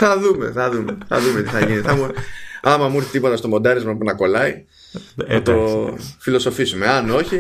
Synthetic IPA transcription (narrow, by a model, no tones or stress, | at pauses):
θɐðume̞̰θɐðumeθɐ̰ðumet̪iθɐʝinit̪eθɐmuɐmɐmuɾθit̪ipo̞t̪ɐst̪o̞mo̞nd̪ɐɾizmɐpunɐko̞lɐi | ɐt̪o̞filo̞so̞fisume̞ɐno̞çi